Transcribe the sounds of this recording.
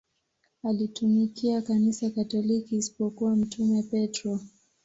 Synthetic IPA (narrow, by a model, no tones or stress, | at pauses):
alitumikiakanisakatɔlikiːsi̥pɔkuwam̩tumɛpɛtɾɔ